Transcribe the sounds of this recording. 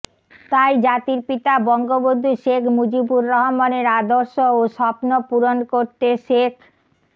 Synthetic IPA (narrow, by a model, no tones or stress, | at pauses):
t̪ajd͡ʑat̪iɾpit̪abɔŋɡobod̪ʱːuʃekʰmud͡ʑibuɾːɔɦomaneɾad̪oɾʃooʃɔpnopuɾonkoɾt̪eʃekʰ